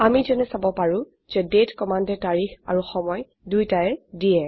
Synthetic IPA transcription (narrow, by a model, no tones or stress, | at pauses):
amizɛnɛsabɔpaɹũ | z̥ɛdetkɔmandɛtaɹixa̰ɹuxɔmɔj | dujtaɛdijɛ